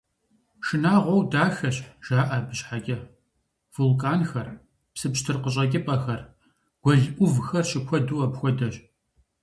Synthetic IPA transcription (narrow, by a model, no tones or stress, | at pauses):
ʂɨnaːʁʷɔwdaːxɐɕʒ̥aːʔɐbɨɕħaɡʲʼɐ | v̥ʊlkʼaːnxɐr | psɨpɕtʰɨrqəɕʼɐɡʲʼɪpʼɐxɐr | ɡ̥ʷɔɮʔʷʼʊvxɐrɕɪkʷʰɔduːɐbxʷɔdɐɕ